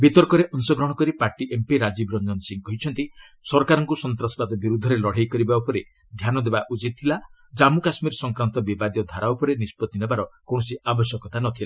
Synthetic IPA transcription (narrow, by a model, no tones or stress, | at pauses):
bit̪ɔɾkɔɾeʔɔnsɔɡɾɔɽ̃ɔkɔɾipaɾʈiʔempiɾad͡ʒibɾɔnd͡ʒɔnsiŋkɔɦit͡ʃʰɔnt̪i | sɔɾkaɾɔŋkusɔnt̪ɾɔsɔkad̪ɔbiɾud̪ʱːɔɾelɔɽ̤ajkɔɾibaupɔɾe | d̪ʱjanɔd̪ebaʔut͡ʃit̪̚t̪ʰila | d͡ʒamukasmiɾsɔŋkɾant̪ɔbibad̪jɔd̪ʱaɾawpɔɾenispɔt̪ːinebaɾɔkoɽ̃ɔsiabɔsjɔkɔt̪anɔt̪ʰila